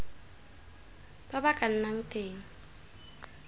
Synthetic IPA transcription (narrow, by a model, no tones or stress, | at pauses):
b̥abakʼan̩naŋ̩tʼeːŋ̩